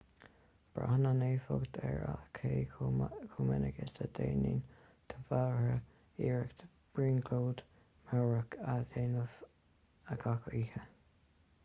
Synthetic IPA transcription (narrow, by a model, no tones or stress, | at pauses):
b̥ɹa̰hənaneːfʊɡt̪ʰɛɹa̰kʰeːkʰuːmɛnəɡəsəd̪eːniːn | t̪ʰəfawɹə | iːɹəkt̪ | b̥ɹiːnɡloːd̪ | maɹəkadeːnəv | əɡakʰəiːhə